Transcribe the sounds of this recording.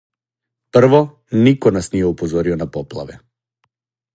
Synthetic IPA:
prvɔ | nikɔnasnijɛupɔzɔɾiɔnapɔplˠa̰vɛ

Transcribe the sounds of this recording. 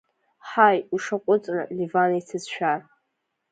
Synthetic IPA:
ħajuʂaqʷʼʊt͡sʼnɨ̰livanajt͡sʰɨzʃᶣar

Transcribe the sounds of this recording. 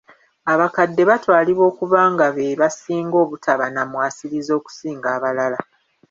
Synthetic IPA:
aβakadːe̞βatwaːliβo̞ːkuβaːŋɡaβeβasiːŋɡo̞ːβutʰaβanamwaːsiɾizo̞ːku̥siːŋɡaːβalala

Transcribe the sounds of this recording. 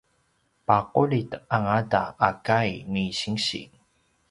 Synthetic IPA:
paqulitəaŋadaʔːkajmiɕiŋɕḭ

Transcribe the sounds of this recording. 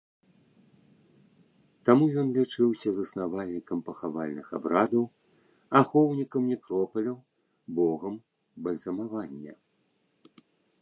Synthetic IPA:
t̪amujɔnlʲit͡ʂɨwsʲɐzɐsnavalʲnʲikɐmpɐxavalʲnɨxa̰bɾad̪ɐw | axɔwnʲikɐmnʲɛkɾɔpɐlʲɐw | bɔɣɐm | bɐlʲzɐmavanʲːɐ̰

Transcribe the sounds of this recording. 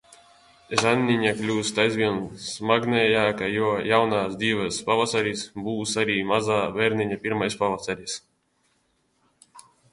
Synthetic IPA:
ʒanʲːiɲaklʲuːst̪ajzvʲiɛnsmaɡnɛjaːkajuɔjawnaːsd̪ʲiːvaspavasaɾʲisbuːsaɾiːmazaːvɛɾnʲiɲapʲiɾmajspavasaɾʲis

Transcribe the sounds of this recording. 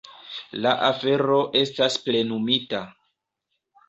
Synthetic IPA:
laʔafe̞ɾo̞ʔe̞stasple̞numita

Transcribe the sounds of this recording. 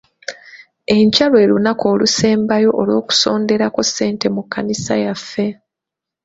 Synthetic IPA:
e̞ɲcalwe̞ːlunako̞ːluse̞ːmbajo̞ʔolwo̞ːku̥so̞ːnde̞ɾako̞sːe̞ːnte̞mukːanisa̰jafːe̞

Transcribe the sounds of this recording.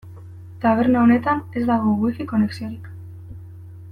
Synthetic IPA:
t̪aβ̞e̞ɾnaone̞t̪ane̞zd̪aɣ̞oɣwikiko̞ne̞ksio̞ɾik

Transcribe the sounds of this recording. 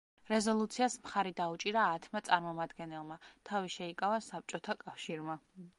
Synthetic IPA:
ɾɛzɔlˠut̪sʰiasmχaɾid̪aut͡ʃʼiɾaːt̪ʰmat̪sʼaɾmɔmad̪ɡɛnɛlˠmat̪ʰaviʃɛikʼavasap̚t͡ʃʼɔt̪ʰakʼafʃiɾma

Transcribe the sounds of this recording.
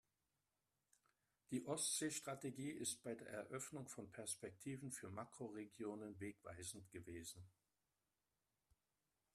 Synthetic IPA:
d̥iːʔɔstz̥eːʃtʁ̥ateɡiːɪst̚b̥aɪdeːɐʔɛ̰ɐʔœfnʊŋfɔnpʰɛɐspɛk̚tʰiːvn̩fyːɐmakʁ̥oʁeɡjoːnənveːkv̥a̰ɪzn̩tɡ̥əveːzn̩

